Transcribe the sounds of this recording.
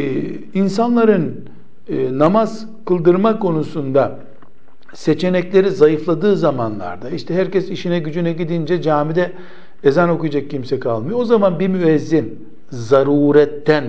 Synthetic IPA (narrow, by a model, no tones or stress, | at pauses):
insanlˠaɾɯnː | namaz̥ | kʰɯlˠd̪ɯɾmakʰo̞nusund̪a | se̞t͡ʃʰe̞nɛclʲe̞ɾizajɯflˠad̪ɯːzamanlˠa̰ɾd̪aiʃt̪ʰɛɦæɾcɛsiʃinɛɟyd͡ʒynɛɟid̪ind͡ʒɛd͡ʒaːmid̪ɛ | ezɛno̞kujad͡ʒak̚cʰːimsɛkʰalˠmɯjoozamanbimyɛzːin | zaɾuːɾɛt̪ʰːæn